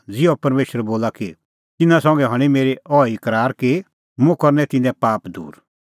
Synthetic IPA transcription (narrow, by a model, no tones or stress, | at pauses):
d͡zɪopɐɾmeːʃəɾɛboːlaki | t̪ɪnãsɔ̃ːŋɡɛɦɐɽ̃imeːɾiʔɔːikɐɾaːɾki | mũkɔɾnɛ̃t̪ɪnɛ̃paːpd̪ṵːɾ